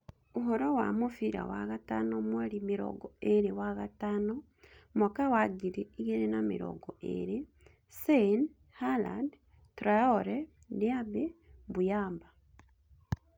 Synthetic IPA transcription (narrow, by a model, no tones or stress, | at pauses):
uɦoɾowa̰mufiɾa̰waɣatanomwalimiɾo̰ɡɔeɾewaɣataːno | mokawaɡiɾiiɣiɾenamḭɾo̰ɡoʔḛɾe | sen | hala̰d | tɾaoɾe | diabebujaːmba